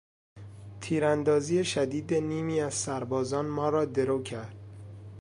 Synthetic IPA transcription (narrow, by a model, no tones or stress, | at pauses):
t̪ʰiːɾænd̪ɒːziːjeʃæd̪iːd̪eniːmiːæz̥sæɾbɒːzɒːnmɒːɾɒːd̪e̞ɾoːcʰæɾd̪̥̚